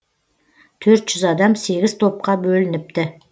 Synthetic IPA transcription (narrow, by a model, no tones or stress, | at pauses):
t̪ʰɵɾt̪ʒ̥ʏzɑd̪ɑmse̞ɡʲɪzt̪ʰo̞p̚qɑbɵlɪnɪp̚t̪ɪ